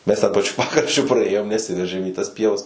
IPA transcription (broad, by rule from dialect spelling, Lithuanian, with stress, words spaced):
mʲɛs tʲɛn pɐˈt͡ʃʲʊ ˈpɑːkrɐʃʲt͡ʃʲʊ prɐˈeːjoːm nʲɛˈsʲɪʋʲɛrʲʒʲeːm iː tɐs ˈpʲiɛʋɐs